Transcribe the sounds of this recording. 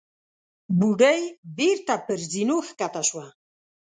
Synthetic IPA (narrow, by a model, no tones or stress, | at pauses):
buɖəjbeɾt̪apəɾzinoxkat̪aʃwa